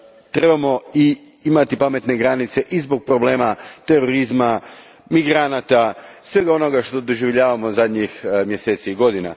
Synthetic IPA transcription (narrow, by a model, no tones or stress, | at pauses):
t̪ɾe̞bamo̞i | imat̪ipame̞t̪ne̞ɡɾanit̪se̞ʔizbo̞ɡ̚pɾo̞ble̞ːmat̪e̞ɾo̞ɾizma | miɡɾanat̪asʋe̞ɡao̞no̞ɡaʃt̪o̞d̪o̞ʒiʋʎaːʋamo̞zad̪ɲixmje̞seːt̪siːɡo̞d̪ina̰